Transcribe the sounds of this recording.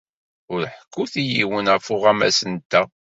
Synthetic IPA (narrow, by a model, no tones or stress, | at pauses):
ʊɾħə̥kʰːʊθijiwənəfʊʁæmæ̰sənt̪ːæ